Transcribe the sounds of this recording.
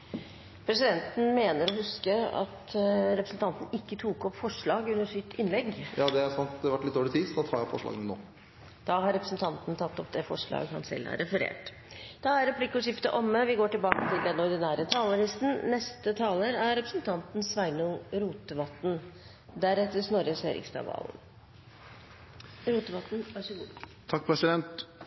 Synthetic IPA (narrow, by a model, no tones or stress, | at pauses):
pʰɾɛsɪd̪ɛnt̪n̩meːnəɾɔhʉskəɑ̰t̪ɾɛpɾəsn̩t̪ʰɑnt̪n̩ɪkːət̪ʰuːkɔpːfɔʂɭɑːɡʉnːəʂɪt̪ʰːɪnlɛɡjɑːd̪ɛæɾsɑnt̪d̪ɛʋæʈːlɪt̪d̪oːlɪt̪ʰiːdsɔd̪ɑt̪ʰɑːɾjæpːfɔ̰ʂɭɑ̰ːɡnəno̰ː | d̪̥ɑɦɑɾɛpɾəsn̩t̪ʰɑnt̪nt̪ʰɑt̪ːɔpd̪ɛfɔʂɭɑ̰ːɡhɑ̰nsɛ̰lːæ̰ɾːɛfəɾḛːʈ | d̪̥ɑæɾɾɛpʰlikɔʂɪft̪əʔɔmːəʋɪɡoːʈɪlbɑːkət̪ʰɪld̪ɛnɔɾd̪ɪnæːɾət̪ʰɑːləlɪst̪n̩nɛst̪ət̪ʰɑːləɾæɾɾɛpɾəsnt̪ʰɑnt̪nsʋæɪnʊŋɾuːt̪əʋɑt̪n̩ | d̪æɾɛt̪ːəsnɔɾjəseɾɪ̰kst̪ɑ̰ːʋɑ̰ːln | ɾuːt̪əʋɑt̪n̩ɑsʊt̪ʰɑk̚ːpʰɾɛsɪd̪ɛnt̪